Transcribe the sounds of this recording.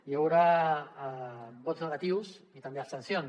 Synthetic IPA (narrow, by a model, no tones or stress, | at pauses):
jawɾa | bot̪znəɣat̪iws | it̪ambeast̪ensjon